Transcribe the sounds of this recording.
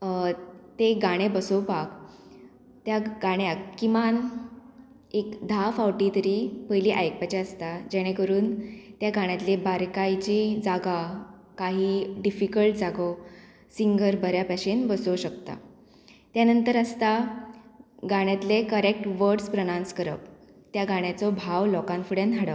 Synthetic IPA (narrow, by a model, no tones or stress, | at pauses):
t̪eɡaɽ̃ebəsowpak | t̪jaɡaɽ̃jakːimʋan | ekd̪ʱafawʈit̪əɾiːpəjliːʔajk̚pat͡ɕeəst̪ad͡ʑɛɽ̃ekəɾuːnt̪jaɡaɽ̃jat̪lebaɾkajt͡ɕid͡zaɡa | kaɦiːɖifikəlʈ̚d͡zaɡɔ | siŋɡəɾbʱəɾjapaɕenbəsoɕəkt̪a̰ | t̪janənt̪əɾəst̪a | ɡaɽ̃jat̪lekəɾek̚ʈʋəɾɾspɾənãnskəɾə̰p | t̪jaɡaɽ̃jat͡sɔbʱaʋlɔkãnfuɽjanɦaɽa